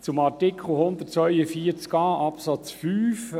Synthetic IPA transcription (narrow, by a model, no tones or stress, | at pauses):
t͡sʊmɑrtɪkʰl̩ɦʊnd̪ət̚t͡sʋœʏəfiːəɾt͡skɑːʔɑpsɑt͡sfyːf